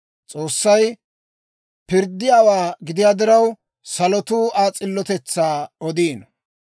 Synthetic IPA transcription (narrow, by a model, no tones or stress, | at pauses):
t͡sʼo̞ːsːɐj | pɪɾd̪ːɪjaːwaːɡɪd̪ɪjaːd̪ɪɾɐw | sɐlɔt̪uːaːt͡sʼɪlːɔt̪ɛt͡sːaːɔd̪iːn